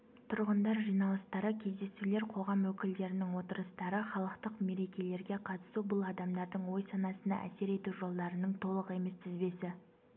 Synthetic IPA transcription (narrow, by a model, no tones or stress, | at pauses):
t̪ʰʊɾʁənd̪ɑɾʒijnɑlˠəst̪ɑɾəkʲʰe̞zd̪e̞sule̞ɾqʰo̞ʁɑmwɵkʲɪld̪e̞ɾɪnɪŋwo̞t̪əɾəst̪ɑɾəχɑlˠəqt̪əqme̞ɾe̞kʲe̞le̞ɾɡʲe̞qʰɑt̪ə̥subʊlˠɑd̪ɑmd̪ɑɾd̪əɴwo̞jsɑnɑsənɑ̰ʔæ̰se̞ɾe̞t̪uʒo̞lˠd̪ɑɾənəɴt̪ʰo̞lˠəqe̞me̞st̪ʰɪzbe̞sɪ